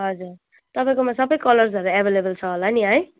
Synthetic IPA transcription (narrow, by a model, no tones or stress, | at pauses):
ɦʌd͡zur | t̪ʌpaĩkomasʌbʌjkʌlʌrsʌɾuabʱelebʌlt͡sʰʌɦolaniɦʌj